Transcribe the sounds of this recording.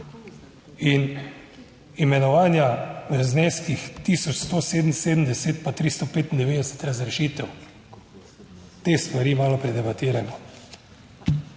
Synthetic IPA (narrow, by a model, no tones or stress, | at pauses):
in | imɛnɔʋaːnjazneːskixt̪iːsɔt͡ʃst̪oːseːd̪n̩seːd̪əm̩d̪ɛseːt̪pat̪ɾist̪ɔpeːt̪ind̪ɛʋeːd̪ɛsɛ̥t̪ɾazɾɛʃiːt̪ɛw | t̪eːst̪ʋaɾiːmaːlɔpɾɛd̪ɛbat̪iːɾamɔ